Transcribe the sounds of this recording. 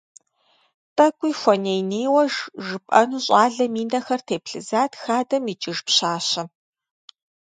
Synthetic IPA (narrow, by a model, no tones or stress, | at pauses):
pʼɐkʷʼiːxʷɔneːjneːwɐʒʒɨpʼɐnuːɕʼɑːɮɐmiːnɐxɐrtʰeːpɬɨzaːtʰxaːdɐmit͡ʃʼɪʒpɕaːɕɐ